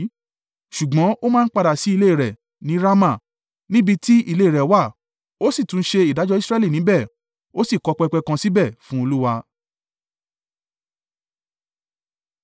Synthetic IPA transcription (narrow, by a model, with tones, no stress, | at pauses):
ʃu˨ɡ͡bɔ̃˨˦o˦mãː˦n̩˦k͡pa˧da˨si˨˦i˧le˦˨ɾɛ˨ | nĩ˨˦ɾa˦mã˦˨ | nĩ˦bi˧ti˦i˦˨le˦˨ɾɛ˨˦wa˦˨ | o˦si˦˨tũ˨˦n̩˦ʃe˧i˨da˨˦d͡ʒɔ˧˦i˦sɾɛ˦li˦˨nĩ˨˦bɛ˦˨ | o˦si˦˨kɔ˧k͡pɛ˧k͡pɛ˧kã˧si˦bɛ˦˨fũ˦o˧lu˦wa˧